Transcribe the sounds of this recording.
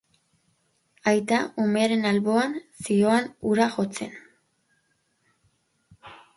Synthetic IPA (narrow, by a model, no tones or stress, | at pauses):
ajt̪aume̞aɾe̞nalβo̞ansio̞anuɾaxo̞t͡se̞̰n